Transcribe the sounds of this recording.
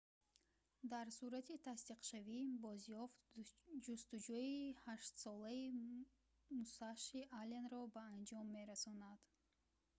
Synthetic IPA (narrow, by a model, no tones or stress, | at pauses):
d̪aɾsuɾat̪ʰit̪ʰast̪iqʃavibɔzjɔft̪d͡ʒust̪ud͡ʒuihaʃt̪sɔlai | musaʃiʔalenɾɔbaːnd͡ʒɔmːe̞ɾasɔnad̪̥